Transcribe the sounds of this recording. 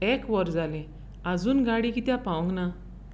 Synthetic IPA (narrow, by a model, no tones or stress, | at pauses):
ɛkʋɔɾd͡zalẽ | ad͡zuːnɡaɽikit̪japawɔ̃ŋɡna